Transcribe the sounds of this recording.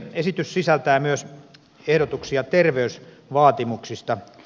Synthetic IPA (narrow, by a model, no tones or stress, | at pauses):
esit̪yssisælt̪æːmyøs | ehɾot̪uksiɑt̪erʋeys | ʋɑːt̪imuksist̪ɑ